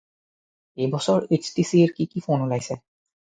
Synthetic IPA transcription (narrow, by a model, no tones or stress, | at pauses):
ejbɔsɔɹet͡ʃʰtisieɹkikipʰonolajsɛ